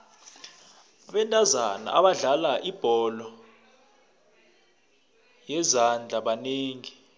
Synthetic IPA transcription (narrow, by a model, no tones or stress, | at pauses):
aɓɛntʼazana̰ʔaɓaɮalaʔib̥ʱɔlɔ | jɛzand͡ɮʱaɓaneːŋi